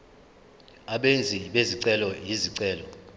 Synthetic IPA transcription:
aɓend͡zʱiɓeziǀɛlɔjiziǀɛːlɔ

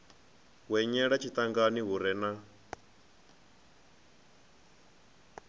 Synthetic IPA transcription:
wɛɲɛɺat͡ʃʰit̪aŋɡaniɦuɾɛna

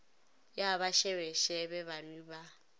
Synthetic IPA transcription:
jaβaʃɛwɛʃɛbɛβanwiba

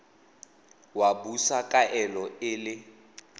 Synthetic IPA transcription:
wabusakʼaʔɛlɔɪlɪ

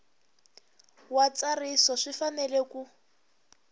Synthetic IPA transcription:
wat͡sarisɔʂifanɛleku

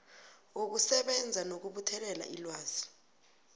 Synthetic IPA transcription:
uk̬usɛɓɛnd͡zʱanok̬uɓutʰɛlɛla̰ʔḭlwaːz̥i̥

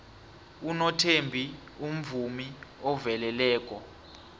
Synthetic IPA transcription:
unɔtʰembʱi | um̩vumiɔvɛlɛlɛːk̬ʼɔ

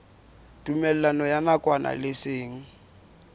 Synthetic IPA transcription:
tʼumɛl̩anɔjanakʼwana̰lɪsɪːŋ̩

